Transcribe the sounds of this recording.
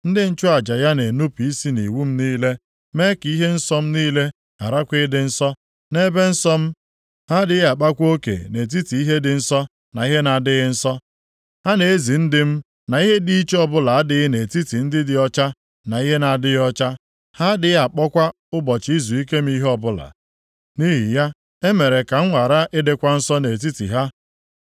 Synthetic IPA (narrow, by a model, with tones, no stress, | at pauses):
n̩˦dɪ˦n̩˦t͡ʃʊ˦a˨d͡ʒa˨ja˦ne˨nu˦pi˦si˦nḭ˨wu˦m̩˦niː˦le˦ | me˦ki˦ɦe˦n̩˦sɔ˦m̩˦niː˦le˦ | a̰˨ɾa˦kʷɪ˦dɪ˨n̩˦sɔ˦ | ne˦be˦n̩˦sɔ˦m̩˦ | ha˦dɪ˦ɣa˨k͡pa˦kʷo˦kḛ˨ne˨t̬i˦ti˨i˦ɦe˦dɪ˨n̩˦sɔ˦ | na˨i˦ɦe˦na˨dɪ˦ɣɪ˦n̩˦sɔ˦ | ha˦ne˨e˦zi˨n̩˦dɪ˦m̩˦ | na˨i˦ɦe˦di˦i˦t͡ʃe˦ɔ˦bʊ˦la˨a˦dɪ˦ɣɪ˦ne˨ti˦ti˨n̩˦dɪ˦dɪ˨ɔ˦t͡ʃa˦ | na˨i˦ɦe˦na˨dɪ˦ɣɔ˦t͡ʃa˦ | ha˦dɪ˨˦ja˨k͡pɔ˦kʷa˦ | ʊ˦bɔ˨t͡ʃi˦zu˨i˦ke˦m̩˦i˦ɦɔ˦bʊ˦la̰˨ | ni˦ɦi˨ja˦ | e˦me˨ɾe˨ka˨ŋ̩˦ŋʷa˨ɾa˦ʔɪ˦de˨kʷa˦n̩˦sɔ˦ne˨t̬i˦tḭ˨ɦa˦